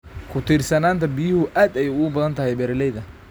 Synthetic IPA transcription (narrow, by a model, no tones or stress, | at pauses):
kʰʊt̪ʰiːrsɐnaːnt̪ʰɐbɪjɪhʊʔaːd̪ɛjʊɡbɐðɐnt̪ʰɐhɛjbɛːɾlɛjðɐ